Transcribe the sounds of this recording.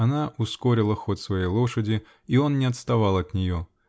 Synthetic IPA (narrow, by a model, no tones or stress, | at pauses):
anaʔuskɔɾʲɪlˠəxɔt̪ʲsvɐjejlˠɔʂədʲɪ | iɔnnʲɪɐt̪st̪avalˠɐt̪nʲɪjɔ